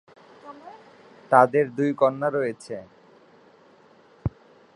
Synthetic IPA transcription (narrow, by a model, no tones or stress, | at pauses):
t̪ad̪eɾd̪ujkɔnːaɾɔjet͡ɕʰe